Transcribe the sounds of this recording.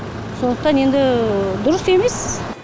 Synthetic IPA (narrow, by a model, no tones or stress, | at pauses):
so̞nd̪əq̚t̪ɑne̞nd̪ɪd̪ʊɾəse̞me̞s